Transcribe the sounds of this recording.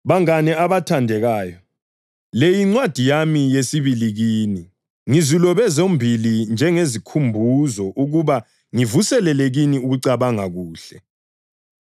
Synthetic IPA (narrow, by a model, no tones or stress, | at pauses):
βaŋanɛaβatʰandʱɛɣaːjɔ | lejiŋ͡ǀwad̥ʱijamijesiβiliɣiːni | ŋizilɔβɛzombʱilind͡ʒʱɛŋezikʰumbʱuzɔʔuɣuβa | ŋivusɛlɛleɣiniuɣuǀaβaŋaɣuːɬɛ